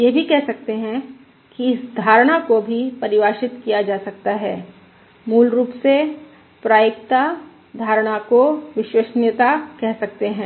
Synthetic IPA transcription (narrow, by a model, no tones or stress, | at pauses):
jebʱikɛɦsɐk̚t̪eɦɛ̃ | kiɪsd̪ʱaːɾɽ̃akobʱipɐɾɪʋaːʃɪt̪kijad͡ʒaːsɐk̚t̪aɦɛː | muːlɾuːpse | pɾaːjɪkt̪a | d̪ʱaːɾɽ̃akoʋɪʃweʃnjət̪akɛɦsɐkt̪eɦɛ̃ː